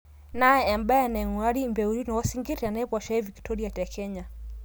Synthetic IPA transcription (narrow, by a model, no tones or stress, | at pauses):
najɛambaɛanaɛŋuaɾimbɛuɾinɔwasiŋɡitɛanaɛpwaʃaɛviktʰɔɾiatɛkʰɛɲa